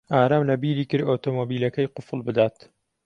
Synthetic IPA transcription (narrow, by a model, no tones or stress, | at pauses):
aːɾaːmlɐbiːɾiːkɨɾot̪oːmobiːlɐkɐjqʊfɨlˠbɨd̪aːt̪